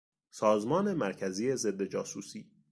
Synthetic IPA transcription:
sɒːzmɒːne̞mæɾcʰæziːje̞ze̞d̪ːed͡ʒɒːsuːsiː

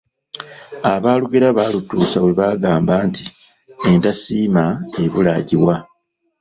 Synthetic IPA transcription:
aβaːluɡeɾaβaːlutuːsaweβaːɡaːmbaːnti | entasiːmae̞βulaɟiwa

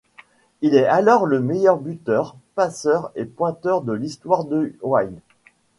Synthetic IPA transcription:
ilɛalɔʁləmejœʁbyt̪œʁpasœʁepwɛ̃t̪œʁd̪əlist̪waʁd̪əwaj

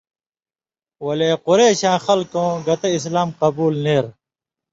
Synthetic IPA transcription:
wɐleːquɾeːɕãːxɐlkõːɡɐt̪eis̬laːmqɐbuːlneːɾ

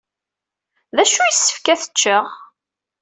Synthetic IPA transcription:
ðæʃujisːə̥fkæθə̥t͡ʃːəʁ

